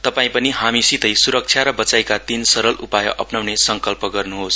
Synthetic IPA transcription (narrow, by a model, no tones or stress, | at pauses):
t̪ʌpaĩpʌniɦamisit̪ʌjsuɾʌk̚t͡sʰjaɾʌbʌt͡sajkat̪insʌɾʌlupajʌʔʌpnawnesʌŋkʌlpʌɡʌrnuɦos